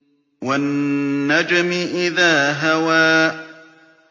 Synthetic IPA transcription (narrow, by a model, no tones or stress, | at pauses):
wanːad͡ʒamɪʔɪðaːɦawaː